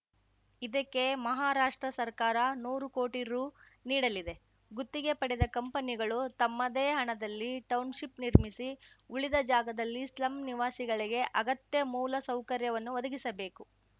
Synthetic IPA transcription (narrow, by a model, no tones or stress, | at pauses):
id̪ɐkːe̞mɐɦaːɾaːʂʈɾɐsɐɾkaːɾɐnuːɾukoːʈiɾuː | niːɽɐlid̪e̞ | ɡut̪ːiɡe̞pɐɽɛd̪ɐkɐmpɐniɡɐɭut̪ɐmːɐd̪eːɦɐɳɐd̪ɐlːiʈɐwnʃipniɾmisiuɭid̪ɐd͡ʒaːɡɐd̪ɐlːislɐmniʋaːsiɡɐɭiɡe̞ʔɐɡɐt̪jɐmuːlɐsɐwkɐɾjɐʋɐnːuʋɐd̪ɐɡisɐbe̞ːku